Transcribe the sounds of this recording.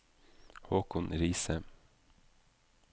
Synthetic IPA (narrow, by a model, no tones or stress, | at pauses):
hoːkʰʊnɾiːsə